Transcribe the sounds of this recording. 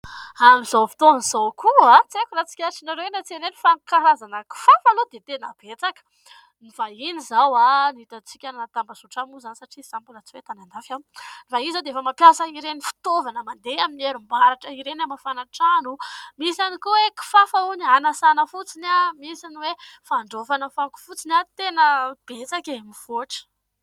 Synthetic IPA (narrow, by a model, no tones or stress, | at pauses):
amizofi̥t̪ovnz̥owkʰuat͡sekʲuɾat͡si̥kʲaɾsinaɾewnat͡seɾenifaŋkaɾazanəki̥fafalod̪et̪ena̰b̥et͡sakə̥ | nifainizawanit̪at͡si̥kʲanat̪ambasuʈ͡ʂamuzanisaʈ͡ʂisambulat͡siwet̪anand̪afanfaizad̪eefəmapjasəiɾenifi̥t̪ovanəmand̪eaminieɾumbaɾaʈ͡ʂəiɾenamafanaʈ͡ʂanumisanikuweki̥fafaunianasanəfut͡sinamisaniwefaɳɖ͡ʐofanəfaku̥fut͡sinat̪enəb̥et͡sakemiv̥oʈ͡ʂə̥